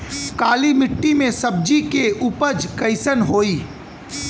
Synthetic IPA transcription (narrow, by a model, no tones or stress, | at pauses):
kaːlimɪʈːimẽsɐb̚d͡ʒikeʔʊpəd͡ʒkəɪsənɦoːiː